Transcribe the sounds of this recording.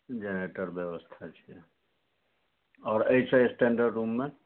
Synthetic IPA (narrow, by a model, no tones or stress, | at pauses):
d͡ʒeneʈəɾbjebəst̪ʰat͡ʃʰijɛ | ɔɾəit͡ʃʰə̃esʈeɳɖəɖɾumːe